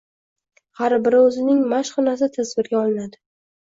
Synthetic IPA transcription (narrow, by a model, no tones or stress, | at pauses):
haɾbɪɾɪɵzɪnɪŋmaʃχʊnas̬ɪt̪ʰazvɪɾɡʲaɒlˠɪnad̪ɪ